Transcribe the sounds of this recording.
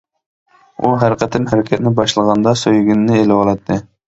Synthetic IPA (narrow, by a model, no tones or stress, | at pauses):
uɦæɾɪqɛt̪ʰɪnɦæɾɪkʲʰɛt̪̚nɪbɑʃlˠəʁɑnd̪ɑsøjɡʲinːɪelɪɑlˠɑt̪ʰːɨ